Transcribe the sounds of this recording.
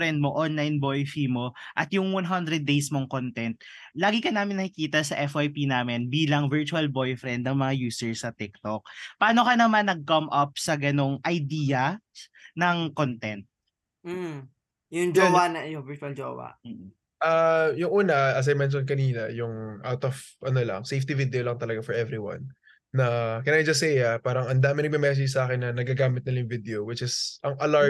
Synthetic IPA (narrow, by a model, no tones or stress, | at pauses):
ɾɛnd̪̚moʔonlajnbojfimo̞ʔɐt̪jʊŋwɐnɦɐnd̪ɾɛd̪̚ːejsmoŋkont̪ɛnt̪̚ | laːɡɪkɐnaːmɪnːɐkɪkiːt̪ɐsɐʔɛfajpinaːmɪnbiːlɐŋvɛɹt͡ʃuɐlbojfɾɛnd̪̚nɐŋmɐŋajuːsɛɹsɐt̪ɪk̚t̪ok̚paːnokɐnɐmanːɐɡ̚kɐmʔɐp̚sɐɡɐno̞ŋʔɐjd̪iːɐ | nɐŋkont̪ɛnt̪̚ | m̩ː | jʊŋd͡ʒowanɐjʊŋvɪɾt̪uɐld͡ʒo̰wɐ̰m̩ːʔ̩ | ʔajʊŋʔuːnɐɐs̬ɐjmɛnʃ̬onkɐniːnɐjʊŋʔa̰wt̪ɔvʔɐnolɐ̰ŋsejft̪ivɪd̪ɛolɐŋt̪ɐlɐɡafɔɹʔɛvɾiwɐ̰nː | ɐkɐnajd͡ʒɐs̬ːɛjapaːɾɐŋɐnd̪aːmɪnɐɡ̚mɛmɛs̬ɛd͡ʒsɐʔaːkɪɛnːɐnɐɡaɡaːmɪt̪nɪlɐjʊŋvɪd̪ɛowɪt͡ʃɪsʔɐŋʔɐla